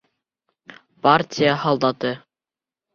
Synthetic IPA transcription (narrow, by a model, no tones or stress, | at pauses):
paɾtʲijəhɑlˠd̪ɑt̪ɤ